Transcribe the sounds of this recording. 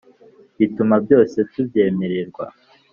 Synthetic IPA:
βitumabjo̞ːse̞tubje̞ːmeɾiɾɡwa̰

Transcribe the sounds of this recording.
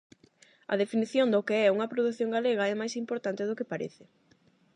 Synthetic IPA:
ɐ̰ðefiniθjond̪okeɛuŋɐpɾoðuθjoŋɡaleɣ̞ɐɛmajsimpoɾt̪ant̪ɪð̞okɪpaɾḛθɪ

